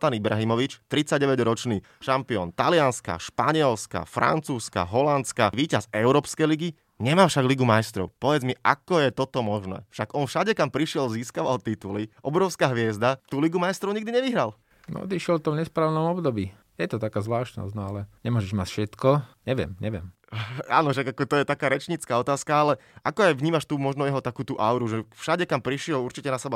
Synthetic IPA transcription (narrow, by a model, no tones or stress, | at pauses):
t̪anibɾaɦimɔʋit͡ʃt̪ɾit͡saɟ̚ɟɛʋɛɟɾɔt͡ʃniː | ʃampiɔnt̪alɪanska̰ʃpaɲɪɛlska̰fɾa̰nt͡suːska̰ɦɔlant̪t͡skaʋiːcazɛʊɾɔːpskɛjliɡi | ɲɛmaːfʃaɡliɡumajst̪ɾɔ̰ʊpɔʋɛd͡zmiʔakɔjɛt̪ɔt̪ɔmɔʒnɛ̰ːfʃaɡɔnfʃaɟɛkampɾiʃɪɛlziːskaʋalt̪it̪uliʔɔbɾɔʊskaɦʋɪɛzd̪at̪uːliɡumajst̪ɾɔʊɲiɡd̪iɲɛʋiɦɾal | nɔ̰ɔ̰d̪iʃɛlft̪ɔmɲɛspɾaːʋnɔmɔbd̪ɔbiː | jɛt̪ɔt̪akaːzʋlaːʃt̪nɔ̰zɟnɔalɛɲɛmʊɔʒɛʒmacfʃɛt̪kɔɲɛʋɪɛ̰mɲɛʋɪɛ̰m | a̰ːnɔfʃaɡakɔt̪ɔjɛt̪akaːɾɛt͡ʃɲit͡skaːɔt̪aːskaalɛʔakɔajʋɲiːmaʃt̪uːmɔʒnɔjɛɦɔt̪akuːt̪uːʔaʊɾuʒɛfʃaɟɛkampɾiʃɪɛluɾt͡ʃicɛnasɛba